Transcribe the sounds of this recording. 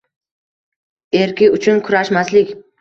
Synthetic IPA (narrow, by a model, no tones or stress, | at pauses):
e̞ɾkʲɪʊt͡ʃʰʊnkʰʊɾaʃmaslɪkʲ